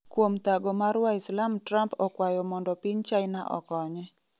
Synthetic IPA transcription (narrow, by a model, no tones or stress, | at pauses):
kwomt̪aɡɔmaɾwaɪslamtɾampɔkwajɔmɔndɔpiɲt͡ʃaɪnaʔɔ̰kɔɲɛ